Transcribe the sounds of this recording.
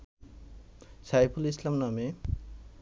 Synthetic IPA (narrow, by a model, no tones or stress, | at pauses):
sajpʰulislamname